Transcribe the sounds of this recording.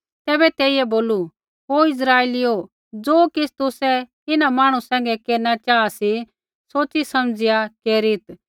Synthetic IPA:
t̪ɛːbɛt̪ɛːɪɛboːlu | ɦoɪsɾaːeːlio | d͡zoːkɪst̪ʊsɛ | ɪnamaːɽ̃usɛ̃ːŋɡɛkeːɾnat͡ʃaːasi | soːt͡ʃt͡sisɐmd͡zɪjakeːɾɪt̪

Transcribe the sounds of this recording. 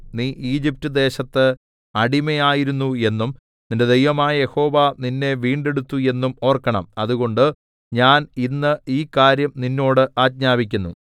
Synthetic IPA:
niːʔiːd͡ʑip̚tːɨd̪e̞ːɕɐt̪ːɨ | ɐɽimejaːjiɾunːue̞nːum | ninde̞d̪ejʋɐmaːjɐje̞ho̞ːʋaninːe̞ʋiːɳɖe̞ɽut̪ːue̞nːumo̞ːrkːɐɳɐ̰mɐðuɣo̞ɳɖɨ | ɲaːninːɨiːkaːɾjɐmninːo̞ːɽɨʔaːt̚ɲaːbikʲːunːṵ

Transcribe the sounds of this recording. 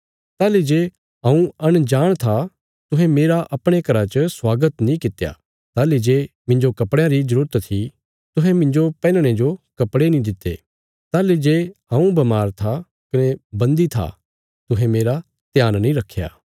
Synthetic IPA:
t̪aːled͡ʒeː | ɦɐ̃ũɐɽ̃d͡ʒaːɽ̃t̪ʰa | t̪ʊɦɛ̃meːɾaʔɐpɽ̃ekɐɾat͡ʃəswaːɡət̪nĩkɪt̪ːja̰ | t̪aːled͡ʒeːmɪ̃ɲd͡ʒokɐpɽjãɾizɐɾuːɾət̪t̪ʰi | t̪ʊɦɛ̃mɪ̃ɲd͡ʒopɛːlɽ̃ed͡ʒokɐpɽenĩd̪ɪt̪ːḛ | t̪aːled͡ʒeːɐ̃ːũbɐmaːɾt̪ʰa | kɐnebɐ̃nd̪it̪ʰa̰ | t̪ʊɦɛ̃meːɾa | t̪jaːnnĩɾɐkʰːja̰ː

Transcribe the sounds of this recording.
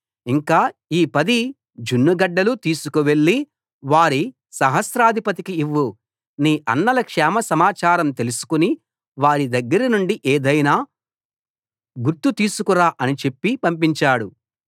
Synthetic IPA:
iŋkaːiːpɐd̪i | d͡ʒunːuɡɐɖːɐlut̪iːsukuʋe̞ɭːi | ʋaːɾi | sɐɦɐsɾaːd̪ʱipɐt̪ikiːʋːu | niːʔɐ̰nːɐlɐkʂɛːmɐsɐmaːt͡ʃaːɾɐmt̪e̞lusu̥kuni | ʋaːɾid̪ɐɡːɐɾɐnuɳɖiʔeːd̪ɐjnaː | ɡuɾt̪ut̪iːsukuɾaːʔɐnit͡ʃe̞pːipɐmpiɲt͡ʃaːɽu

